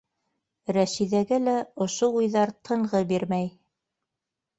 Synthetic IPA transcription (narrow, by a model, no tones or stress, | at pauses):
ɾæʃiðæɡɘlæŏʃoujðɑɾt̪ʰɤ̆ɴʁɤbiɾmæj